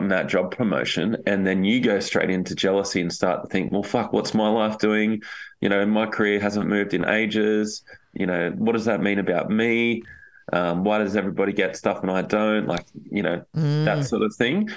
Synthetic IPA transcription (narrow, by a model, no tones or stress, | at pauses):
mðət̚d̥ʒ̥ɑb̚pʰɹ̥əmo̰ʊʃɨ̰̃nɨ̃nðɨ̃njɨɡoʊstɹ̥ḛɪɾɪ̃ntɨd͡ʒɛlˠəsiɨ̃nstɑ̰ɹtʰəθɪ̃ŋkwɛ̰lˠfʌkwʌ̰tsmaɪlaɪfd̥ʉɪ̃ŋjɨ̰ñoʊɨ̃nmaɪkʰə˞ɪɹɦæzə̃nmʉvdɨ̃nʔḛɪd͡ʒɪz̥jɨ̰ñoʊwʌt̚d̥ʌzðɨt̚mĩnɨbaʊt̚mi | ʔʌ̃mwaɪɾʌzɛvɹibɑɾiɡɛtstʌfə̃naɪdõʊ̃nʔlʔa̰ɪk̚jɨño̰ʊðətsɔɹɾʌv̥θɪ̃ŋ